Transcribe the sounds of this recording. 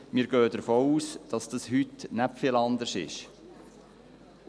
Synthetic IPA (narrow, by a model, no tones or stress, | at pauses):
miːɾɡ̥øːd̥əɾfoːuːsd̥ɑsd̥ɑshytnæpfiːlɑnd̪əsɪ̰ʃ